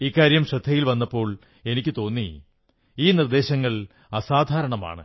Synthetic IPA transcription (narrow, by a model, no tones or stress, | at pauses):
ikːaːɾjɐmɕɐd̪ʱːɐjilʋɐnːɐpːo̞ːɭ | e̞nikʲːɨt̪o̞ːnːi | iːnird̪e̞ːɕɐŋːɐɭ | ɐsaːd̪ʱaːɾɐɳɐma̰ːɳɨ̰